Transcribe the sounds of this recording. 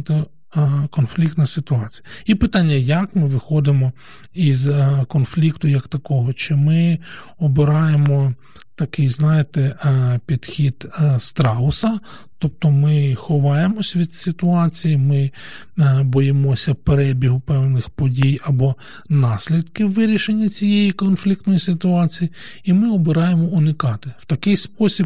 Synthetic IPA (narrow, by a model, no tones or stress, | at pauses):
t̪ | kɔnflʲikt̪nɐsɪt̪ʊɑt͡sʲijɐipɪt̪ɑnʲːɐjɐkmɪʋɪxɔd̪ɪmɔ | izkɔnflʲikt̪ʊjɐkt̪ɐkɔɦɔt͡ʃɪmɪ | ɔbɪɾɑjemɔ | t̪ɐkɪjznɑjɪt̪ɛpʲid̪̥xʲid̪̥st̪ɾɑʊsɐ | t̪ɔp̚t̪ɔmɪxʊʋɑjemɔsʲʋʲid̪sɪt̪ʊɑt͡sʲijimɪ | bɔjɪmɔsʲɐpeɾɛbʲiɦʊpɛwnɪxpɔdʲijɐbɔ | nɑsʲlʲid̪kɪwːɪɾʲiʃenʲːɐt͡sʲijejikɔnflʲik̚t̪nɔjisɪt̪ʊɑt͡sʲiji | imɪɔbɪɾɑjemɔʊnɪkɑt̪ɪw̥t̪ɐkɪjspɔsʲib